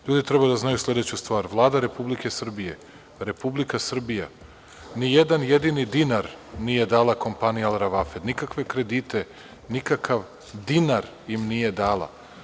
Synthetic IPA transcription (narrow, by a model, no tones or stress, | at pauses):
ʎuːd̪it̪ɾe̞bajud̪aznajuslʎʲe̞d̪et͡ɕust̪ʋaːɾʋlˠaːd̪aɾe̞publike̞sr̩bije̞ | ɾe̞publikasr̩bija | nijed̪anjed̪inid̪inaɾnije̞d̪aːlˠako̞mpanijalˠɾaʋafe̞d̪nikakʋe̞kɾe̞d̪iːt̪e̞ | nikakʰaʋ | d̪inaɾ | jimnije̞d̪aːlˠa̰